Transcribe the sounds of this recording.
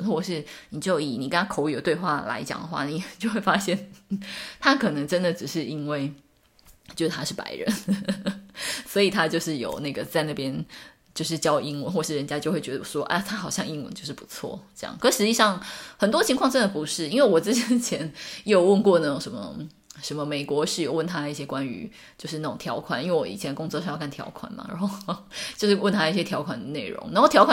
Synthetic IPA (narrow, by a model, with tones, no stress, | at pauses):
xwɔ˥˧ʂɻ̩˥˩ni˨˩t͡ɕjo˥˩ʊi˨˩ni˨˩kə˥˦na˥kʰo˧˥ʊjo˨˩t̪we˥˧ɪxwa̰˥˩la̰˧˥ɪt͡ɕjɑ̰˨˩ŋd̪ə˦xwa̰˥˩ni˨˩t͡ɕjo˥˧ʊxwe˥˩fa˥ɕjɛ˥˩n | t̪ʰa˥kʰɤ˨˩nə˧˥ŋʈ͡ʂə˦˥nd̪ə˨ʈ͡ʂɻ̩˨˩ʂɻ̩˥˩i˥nwe˥˩ɪ | t͡ɕjʂt̪ʰa˥ʂɻ̩˥˩pa̰˧˥ɪɻə̰˧˦n | swɔ˧˥i˨˩t̪ʰa˥t͡ɕjo˥˧ʊʂɻ̩˥˩jo̰˨˩ʊna˥˩ɡə˩t͡sa˥˧ɪna˥˩pjɛ˥n | t͡ɕjo˥˧ʊʂ̬ɻ̩˥˩t͡ɕjɑ˥ʊʔi˥ŋwə˧˦nxwɔ˥˧ʂɻ̩˥˩ɻə˧˦nt͡ɕja˥t͡ɕjo˥˧ʊxwe˥˩ɪɥɛ˧d̪ə˧˩ʂwɔ˥ʔa̰˥˧t̪ʰa˥xɑ˨˩ʊɕjɑ˥˧ŋi˥ŋwə̰˧nt͡ɕo˥˧ʊʂ̬ɻ̩˥˩pu˧˥˦t͡sʰwɔ̰˥˩ʈ͡ʂjɑ̰˥˩ŋkɤ˥ʂɻ̩˧t͡ɕi˥˧ʂɑ˥˩ŋxə˨˩nt̪wɔ˥t͡ɕʰi˧˥ŋkʰwɑ˥˧ŋʈ͡ʂə˥nd̪ə˨˩pu˧˥ʂɻ̩˥˩i˥nwe˥˩ɪwɔ˨˩t͡sɻ̩˥t͡ɕɛ˧˥nt͡ɕʰjɛ˧˥njo˥˩ʊwə˥˧nkwɔ˥˧na˥˩jŋʂə˧˦nmə̰˧ | ʂə˧nmə˧me˨˩ɪkwɔ˧˥ʂɻ̩˥˩jo˨˩ʊwə˥˩nt̪ʰa˥˨i˥˩ɕjɛ˥kwa˦ny̰˧˥ | t͡ɕjo˥˧ʊʂɻ̩˥˧a˥˩ʈ͡ʂʊ˨˩ŋt̪ʰjɑ˧˥ʊkʰwa˨˩ni˥nwe˥˩wɔ̰˧˩ḭ˨t͡ɕʰɛ˧˦nə˧kʊ˥ŋt͡swɔ˥˧ʂɑ˥˧jkʰa˥˩nt̪ʰjɑ̰˧˥ʊkʰwa̰˨˩nmɐ̰˩na̰˧˦˥nxo˥˧ʊt͡ɕjo˥˧ʊʂ̬ɻ̩˥˩wə˥˩nt̪ʰa˥i˥˩ɕjɛ˦t̪ʰjɑ˧˥ʊkʰwa˨˩nd̪ə˦ne˥˩ɪɻʊ̰˧˥ŋn˧˥o˥˩ʊt̪ʰjɑ˧˥ʊkʰwa˨